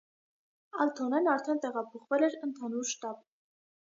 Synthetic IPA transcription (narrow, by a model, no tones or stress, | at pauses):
ɑlt̪ʰɔnɛnɑɾt̪ʰɛnt̪ɛʁɑpʰɔχvɛlɛɾənt̪ʰɑnuɾʃt̪ɑb